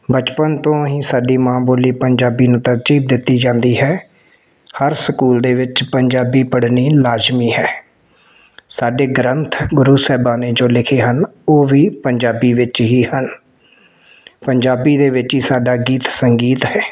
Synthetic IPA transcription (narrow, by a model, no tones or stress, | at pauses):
bət͡ʃpənt̪õːɦĩːsaːɖiːmãːboːliːpəɲd͡ʒaːbiːnũːt̪əɾt͡ʃiːb̚d̪ɪt̪ːiːd͡ʒãːnd̪iːɦɛː | həɾsəkuːld̪eːʋɪt͡ʃpəɲd͡ʒaːbiːpəɽniːlaːd͡ʒmiːɦɛː | saːɖeːɡɾənt̪ʰɡʊɾuːsɛːbaːneːd͡ʒoːlɪkʰeːɦən | oːʋiːpəɲd͡ʒaːbiːʋɪt͡ʃɦiːhən | pəɲd͡ʒaːbiːd̪eːʋɪt͡ʃɦiːsaːɖaːɡiːt̪səŋɡiːt̪ɦɛː